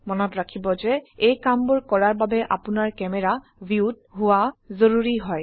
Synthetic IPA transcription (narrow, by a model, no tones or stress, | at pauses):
mɔnɔtɹakʰibɔzɛejkambuɹkɔɹaɹbabɛʔa̰pʊnaɹkɛmɛɹa | biut̚ | ɦʊwazoɹuɹiɦɔj